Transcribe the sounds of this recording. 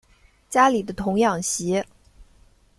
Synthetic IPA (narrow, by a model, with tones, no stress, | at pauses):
t͡ɕja˥li˨˩d̪ə˦t̪ʰʊ˧˥ŋjɑ˥˩ŋɕɛ˧˥